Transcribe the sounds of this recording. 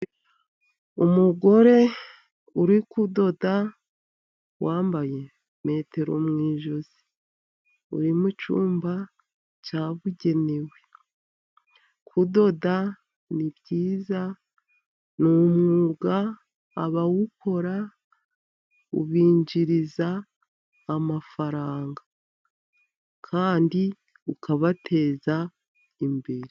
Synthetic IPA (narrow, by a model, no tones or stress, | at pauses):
umuɡo̞ɾe̞ | uɾikudo̞da | waːmbaje̞ | me̞ːte̞ɾo̞̰mŋiːʒo̞zi̥ | ṵɾimut͡ʃṵːmba | t͡ʃaːβuɟe̞ne̞we̞ | kʰudo̞da | niβɟiːza | numuɡaː | βawukʰo̞ɾa | ṵβiːɲd͡ʒiɾizaː | mafaɾaːŋɡa | kʰaːndi | ukʰaβatʰe̞ːza | imbe̞ɾe